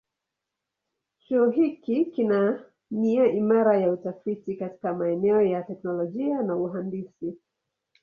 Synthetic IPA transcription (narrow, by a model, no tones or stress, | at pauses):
t͡ʃuɔɦikikina | niaʔimaɾajautafitikati̥kamaɛnɛɔjatɛknɔlɔʄianauɦandisi